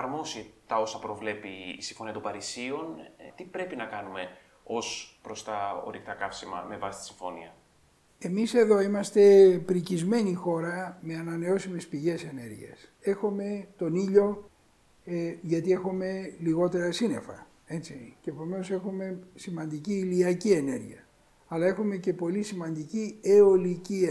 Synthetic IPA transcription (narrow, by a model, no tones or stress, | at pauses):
ɐɾmo̞sit̪ɐo̞sɐpɾo̞vle̞piːsiɱfo̞niɐt̪obɐɾisio̞nt̪ipɾe̞pinɐkɐnume̞ | o̞spɾo̞st̪ɐo̰ɾikt̪ɐkɐfsimɐ̰me̞vɐsi̥t̪i̥siɱfo̞̰nḭɐ | e̞mise̞ðo̞imɐst̪e̞pɾicizme̞nixo̞ɾɐme̞ɐnɐne̞o̞sime̞spiʝe̞se̞ne̞ɾʝḭɐ̰se̞xome̞t̪o̞niʎo̞ | ʝɐt̪ie̞xome̞liɣo̞t̪e̞ɾɐsine̞̰fɐ | e̞t͡siceːpo̞me̞no̞se̞xume̞simɐnd̪iciːliɐcie̞ne̞ɾʝiɐː | lɐe̞xume̞ce̞po̞lisimɐnd̪icieo̞lici